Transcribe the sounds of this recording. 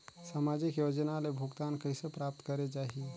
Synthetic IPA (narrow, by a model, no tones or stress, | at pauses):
samad͡ʒikjod͡ʒənalebʱuɡt̪ankəjsepɾap̚t̪kəɾed͡ʒaɦi